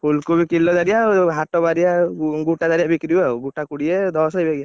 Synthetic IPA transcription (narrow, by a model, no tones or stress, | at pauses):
pʰulkubikilːɔd̪aɾijaɦatɔbaɾijaɡuʈadaɾijabikɾiaɡuʈakuɽiɛd̪ʱɔsajbaɡija